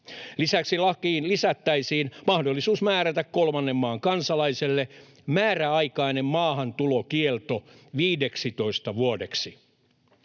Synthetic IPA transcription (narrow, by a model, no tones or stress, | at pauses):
lisæksilɑkiːnlisæt̪ːæisiːnmɑhdolːisuːsmæːɾæt̪ækkolmɑnːemːɑːŋkɑnsɑlɑiselːe | mæːræɑikɑinemmɑːhɑnt̪ulokielt̪oʋiːdeksit̪o̞ist̪ɑʋuodeksi